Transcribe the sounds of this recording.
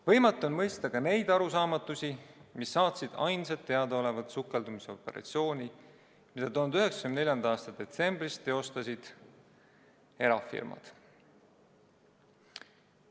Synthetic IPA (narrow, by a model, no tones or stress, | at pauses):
vɤ̞jmɑt̪ːˑonmɤjst̪ɑkɑne̞jd̪ɑɾus̬ɑːmɑt̪ːˑusʲimisːɑːt̪sid̪̥ɑjnsɑt̪ːe̞ɑd̪eo̞le̞vɑd̪sukːˑe̞ld̪umiseo̞pːˑe̞̰ɾɑ̰t̪sio̞ːnʲi | mid̪̥ɑt̪oːnd̪yɦe̞ksɑkymnelʲjɑnɑɑːst̪ɑd̪e̞t̪se̞mbrist̪eo̞st̪ɑsid̪̥ | e̞ɾɑfḭrmɑ̰d̪̥